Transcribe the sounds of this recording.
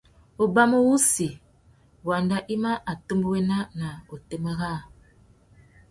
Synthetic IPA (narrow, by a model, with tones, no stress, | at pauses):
o˨ba˦mo˦wu˦si˨ | wa˨nda˦ʔi˦ma˦ʔa˨to˦mbo˦we˦na˦na˨o˨te˦mə˦ɣa˦˨